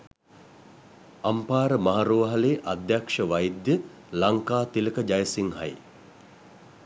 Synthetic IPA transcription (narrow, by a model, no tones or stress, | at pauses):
ampaːɾəmaɦaɾoːʋəɦɐleːʔad̪jakʂəʋajd̪jə | laŋkaːt̪iləkəd͡ʒajsiŋɦa̰j